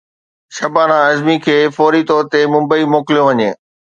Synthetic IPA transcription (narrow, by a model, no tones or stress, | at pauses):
ʃɐbaːnãɐzmikʰeːfɔːɾit̪ɔːɾt̪emʊ̃mbəimoːkɪljõʋɐɲeː